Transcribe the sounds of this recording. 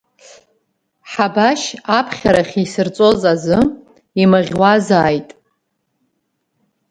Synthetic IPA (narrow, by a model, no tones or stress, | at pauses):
ħabaʃapʰχʲaɾaχʲisɨrt͡sʼo̞zazɨ | imaʁʲwazaːjtʼ